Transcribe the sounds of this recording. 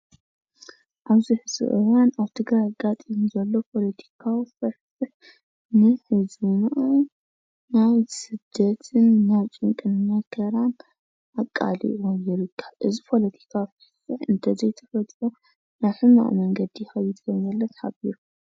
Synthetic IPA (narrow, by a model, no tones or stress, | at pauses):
ʔaβzɨħsɨ̰ʔɨwanaβt̪ʰɨɡɾajaɡat̪ʼimuzɐlːo̞pʰo̞lɐt̪ʰi̥kʰawifɐɾfɨħ | nɨħɨzɨnʔonː | ajsɨd̪ːɐt̪ʰɨnːawt͡ʃʼɨŋkʼɨnnakʰɐɾan | ʔakʼːa̰lḭʔʕujɪɾɨkʰːaʔɨzipʰo̞lɐt̪ʰi̥kʰafɐfɨħɨnt̪ʰɐzɐjt̪ʰɐfɐt̪ʼʕu | naβħɨma̰ʔmɐŋɡɐd̪ijxɐjːɪd̪ɐnɐlːɐt̪ħabiɾu